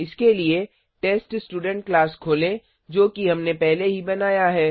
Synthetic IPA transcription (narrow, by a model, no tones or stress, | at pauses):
ɪskelie | ʈeːsʈsʈuːɖə̃ɳʈ̚klaːskʰoːlẽ | d͡ʒoːkiɦɐmnepɛɦleɦibɐnaːjaɦɛː